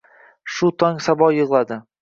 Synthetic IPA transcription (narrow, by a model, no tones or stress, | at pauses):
ʃʊt̪ʰɒŋsabɒjɨʁlˠad̪ɪ